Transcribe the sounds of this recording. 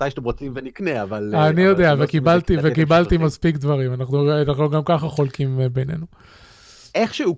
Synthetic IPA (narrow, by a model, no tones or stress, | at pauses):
tajʃatemʁot͡simvenikneavalanijo̞d̪eavekibalt̪ivekibalt̪imaspikd̪vaʁimanaχnuanaχnuɡamkaχaχo̞lkimbene̞̰nu | eχʃeu